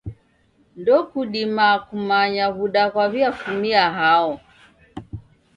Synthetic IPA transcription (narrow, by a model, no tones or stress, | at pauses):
ndɔkuɗimakumaɲaβuɗakwaβiafumiaɦaɔ